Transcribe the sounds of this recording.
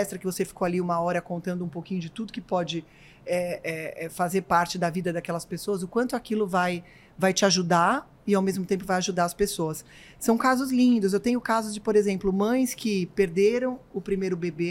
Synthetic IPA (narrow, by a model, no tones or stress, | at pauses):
ɛst̪ɾɐkɪvosefi̥koaliũmɐɔɾɐkõnt̪ɐ̃nd̪ʊũpowkĩɲʊd͡ʒɪt̪ud̪ʊkɪpɔd͡ʒɪ | ɛɛɛfazeɾpaɾt͡ʃɪd̪ɐvid̪ɐd̪akɛlɐspesoɐzʊkwɐ̃nt̪ʊakilʊvaj | vajt͡ʃɪaʒud̪a | ɪawmezmʊt̪ẽmp̬ʊvajaʒud̪aɾɐspesoɐs | sɐ̃w̃kazʊzlĩnd̪ʊz̬ewt̪ẽɲʊkazʊzd͡ʒɪpoɾezẽmplʊmɐ̃j̃skɪpeɾd̪eɾɐ̃w̃ʊpɾimejɾʊbebe